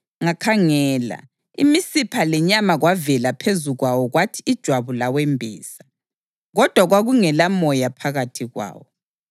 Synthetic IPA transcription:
ŋakʰaŋɛːla̰ | ḭmisipʰalɛɲamaɣwavɛlapʰezuɣwawɔɣwatʰiːd̥ʒ̥ʱwaβulawɛmbʱɛ̰ːsa | ɣɔd̥ʱwaɣwaɣuŋɛlamɔjapʰaɣatʰiɣwa̰ːwɔ

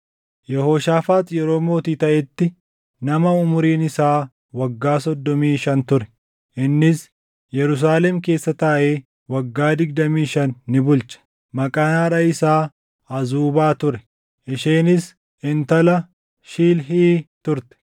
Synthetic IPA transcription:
jɛhoːʃaːfaːt̪jɛɾo̞ːmoːt̪iːt̪ɐʔɛt̪ːɪ | nɐmɐʊmʊɾiːnɪsaː | wɐɡːaːsɔd̪ːɔmiːʃɐnt̪ʊɾɛ̥ | ʔɪnːɪs | jɛɾʊs̬aːlɛmke̞ːsːɐt̪ɐʔeː | wɐɡːaːd̪ɪɡ̚d̪ɐmiːʃɐnːɪbʊlt͡ʃɐ̥ | mɐkʼaːnaːɾɐɪsaː | ɐzuːbaːt̪ʊɾɛ | ʔɪʃeːnɪs | ɪnt̪ɐlɐ | ʃiːlɦiːt̪ʊɾt̪ɛ̥

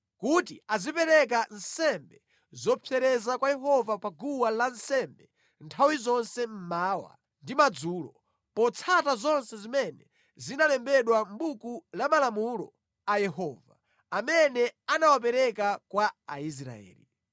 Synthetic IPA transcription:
kutiazipɛɾɛk̬an̩sɛmbɛ | zɔpʰɛɾɛzakwajɛɦɔvapaɡuwalansɛmbɛ | ntʰawizɔnsɛm̩maːwa̰ | ndimad͡zuːlɔ̰ | pɔt͡sʰatazɔnsɛzimɛnɛ | zinalɛmbɛɗwambukulamalamulɔ̰ | ajɛhɔːva̰ | amɛnɛanawap̬ɛɾɛkakwaais̬ɾa̰ɛ̰ːli

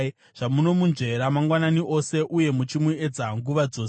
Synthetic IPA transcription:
ʐ̥amuno̞munʐe̞ɾamaŋɡwananiʔo̞se̞ʔuje̞mut͡ʃimue̞d͡zaŋɡuʋad͡zo̞ːs

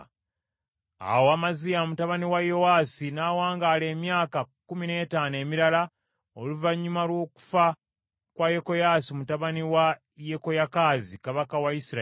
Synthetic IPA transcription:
a̰woaːmazijamutaβaniwajo̞wasinaːwaːŋɡale̞ːmjaːkakumine̞ːtaːne̞ːmiɾala | oluvaɲːumalwo̞ːku̥fa | kwajeko̞jaːsimutaβaniwa | jeko̞jakaːzikaβakawaisiɾa

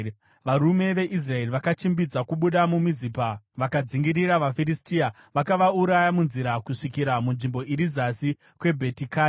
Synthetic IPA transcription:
ʋaɾume̞ʋe̞ʔis̬rae̞riʋakat͡ʃimbid͡zakuɓuɗamumizipaʋakad͡ziŋɡiɾiɾaʋafiristia | ʋakaʋauɾajamunziɾakuʂikiɾamunʐimbo̞ʔiɾizasi | kwe̞bʱetikaː

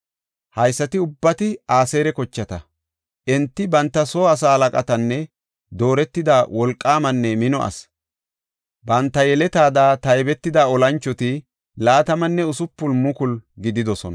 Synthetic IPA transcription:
hɐjsːɐt̪ɪʊbːɐt̪ɪaːseːɾɛkɔt͡ʃːɐt̪ɐ | ʔɛnt̪ːɪbɐnt̪ːɐso̞ːɐsaːhɐlɐkʼɐt̪ɐnːɛ | d̪o̞ːɾɛt̪ːɪd̪awɔlkʼːaːmɐnːɛmɪnɔʔɐ̰s | bɐnt̪ːɐjɛlɛt̪aːd̪aːt̪ɐjbɛt̪ːɪd̪aːɔlɐnt͡ʃːɔt̪ɪ | laːt̪ɐmɐnːɛʊsʊpːʊlmʊkʊlɡɪd̪ɪd̪ɔsɔnɐ

